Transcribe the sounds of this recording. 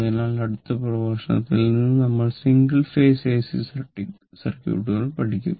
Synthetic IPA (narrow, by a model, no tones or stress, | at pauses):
ɐðɐnaːɭɐɽut̪ːɐprɐʋaːʂɐɳɐ̰t̪ːilnninːɨnɐmːɐɭsiŋɡɐɭfeːseːsisɐʈːi | sɐrkʲjṵːʈːuɣɐɭpɐʈʰikʲːum